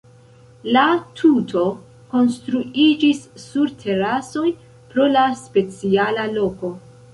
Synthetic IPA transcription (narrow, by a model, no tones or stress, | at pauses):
latʰutʰo̞ | ko̞nstɾuid͡ʒisːuɾtʰe̞ɾaso̞j | pɾo̞laspe̞t͡sialalo̞ko̞